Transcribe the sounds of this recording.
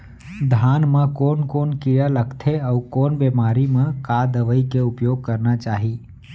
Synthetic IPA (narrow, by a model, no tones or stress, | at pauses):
d̪ʱaːnmãkoːnkoːnkɪjaləkt̪ʰeɔːkoːnbeːmaːɾimẽkaːd̪əʋəikeʊpjoːɡ̚kɐɾnat͡ʃaːɦiː